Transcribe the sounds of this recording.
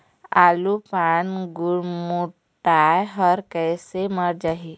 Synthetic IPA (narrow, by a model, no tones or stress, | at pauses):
aːlupanɡʊɽmu | ʈajɦəɔɾkɛːseməɾd͡ʒaɦi